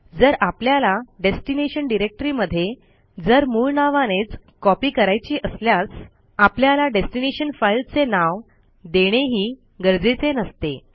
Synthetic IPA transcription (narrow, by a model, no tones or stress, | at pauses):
d͡zəɾapljalaɖesʈineɕənɖiɾek̚ʈəɾiːməd̪ʱːje | d͡zəɾmuːɭnaʋanet͡skɔpiːkəɾajt͡ɕiːʔəsljat͡s | apljalaɖesʈineɕənfajlt͡senaʋ | d̪eɽ̃eɦiː | ɡəɾd͡zet͡senəst̪e